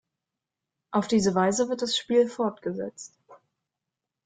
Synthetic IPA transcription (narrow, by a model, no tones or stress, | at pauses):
ʔaʊfd̥iːzəvaɪzəvɪɐt̚d̥asʃpiːlfɔɐtɡ̥əzɛ̰t͡st